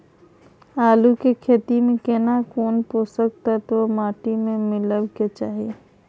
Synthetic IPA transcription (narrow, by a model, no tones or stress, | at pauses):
aːlukekʰeːt̪imẽkenakoːnpoːsəkt̪ɐt̪omaːʈimẽmɪləbket͡ʃaːɦieː